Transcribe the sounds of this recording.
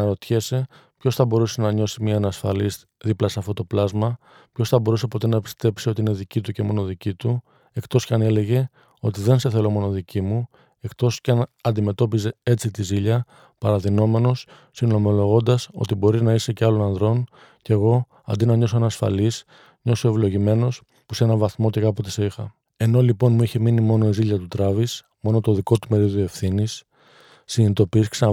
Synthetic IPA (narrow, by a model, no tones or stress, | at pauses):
nɐɾo̞t̪çese̞ | pço̞sθɐbo̞ɾusenɐɲo̞simɲɐnɐsfɐ̰liz | ðiplɐseɐft̪o̞t̪o̞plɐzmɐ | pço̞sθɐbo̞ɾuse̞po̞t̪e̞nɐpi̥st̪e̞psio̞t̪iine̞ðicit̪uce̞mo̞no̞ðicit̪u | e̞kt̪o̞scɐne̞le̞ʝe̞ | o̞t̪iðe̞nseθe̞lo̞mo̞no̞ðicimu | e̞kt̪o̞scɐnɐnd̪ime̞t̪o̞pize̞e̞t͡sit̪iziʎɐ | pɐɾɐðino̞me̞no̞sː | ino̞mo̞lo̞ɣo̞nd̪ɐso̞̰t̪ibo̞ɾinɐise̞ceɐlo̞nɐnðɾo̞n | ce̞ɣo̞ | ɐ̰nd̪inɐɲo̞s̬oenɐːsfɐ̰lis | ɲo̞so̞e̞vlo̞ʝime̞no̞s | pu̥se̞nɐvɐθmo̞ce̞kɐpo̞t̪eseixɐ̰ | e̞no̞lipo̞nmuiçeminimo̞no̞iziʎɐt̪ut̪ɾɐvis | mo̞no̞t̪o̞ðiko̞t̪u̥pe̞ɾio̞ðoefθinisː | init̪o̞piisksɐ